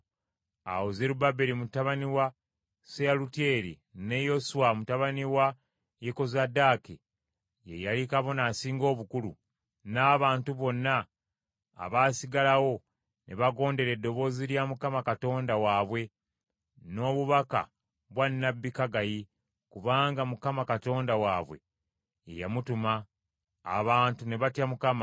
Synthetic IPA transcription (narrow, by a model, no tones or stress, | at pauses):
a̰wozeɾubabeɾimutaβaniwa | sealutje̞ːɾḭ | ne̞josuwamutaβaniwa | jeko̞zadaːke | je̞̰jalikaβo̞naːsiːŋɡo̞ːβukulṵ | naːβaːntuβo̞nːa̰ː | βaːsiɡalawo̞ | nʔe̞βaɡo̞ːnde̞ɾe̞dːo̞βo̞ːziɾjamukamakato̞ːndawaːβwe̞ | no̞ːβuβaka̰ | βwanːabːikaɡaji | kuβaːŋɡamukamakato̞ːndawaːβwe̞̰ː | jamutuma̰ː | βaːntune̞βatjamukama